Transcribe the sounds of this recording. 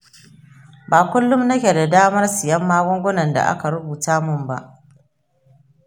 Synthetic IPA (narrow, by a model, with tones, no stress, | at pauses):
baː˨kʷʊ˦lːʊ˦mnɐ˦kʲe˨da˨daː˦mɐ˦rsɪ˨jɐ˦mːaː˦ɡʷɔ˦ŋɡʷʊ˦nɐ˨nda̰˨ʔa̰˦ka˨ɾʊ˦buː˨taː˦mʊ˦˨mba˦ʔ